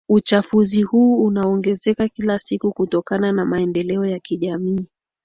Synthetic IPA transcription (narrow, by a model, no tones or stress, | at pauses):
ut͡ʃafuzihuːunaɔŋɡɛzɛkakilasikukutɔkananamaɛndɛlɛɔjakiʄamiː